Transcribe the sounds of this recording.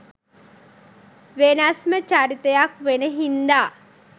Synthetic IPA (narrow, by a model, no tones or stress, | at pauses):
ʋenasmət͡ʃaɾit̪əjakʋenəɦind̪aː